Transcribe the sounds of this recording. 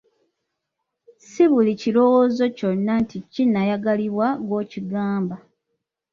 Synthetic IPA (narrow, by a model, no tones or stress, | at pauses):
siβulicilo̞wozo̞conːanticinːajaɡaliβwaɡo̞ːciɡaːmba